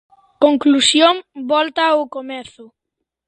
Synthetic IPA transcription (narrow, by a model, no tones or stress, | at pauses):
koŋklusjoŋbɔlt̪ɐʊkomɛθʊ